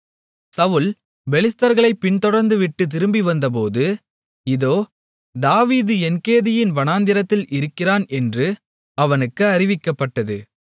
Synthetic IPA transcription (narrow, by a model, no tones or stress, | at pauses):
sɐʋɯl | bɛlɪst̪ɐɾɣɐɭɐɪpːɪɳt̪ɔɽɐɾnd̪ɯʋɪʈːɯt̪̬ɪɾɯmbiʋɐnd̪ɐp̬oːðɯ | ɪðoː | d̪aːʋiːðɯɛnkeːðɪjɪnʋɐnaːnd̪ɪɾɐt̪ːɪlʔɪɾɯkːɪraːnɛndrɯ | ɐʋɐnɯkːɯɐrɪʋɪkːɐpːɐʈːɐðɯ